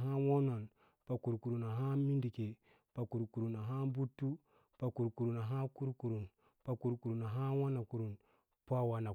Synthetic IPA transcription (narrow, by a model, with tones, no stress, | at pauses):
ɦa˦wo˦no˨n | pa˨ku˨ɾku˨ɾu˨na˨ɦa˦mi˦ndi˨ke˨ | pa˨ku˨ɾku˨ɾu˨na˨ɦa˦bu˦tːu˦ | pa˨ku˨ɾku˨ɾu˨na˨ɦa˦ku˦ɾku˨ɾu˨n | pa˨ku˨ɾku˨ɾu˨na˨ɦa˦wa˦na˨ku˨ɾu˨n | pʷa˦wa˨na˨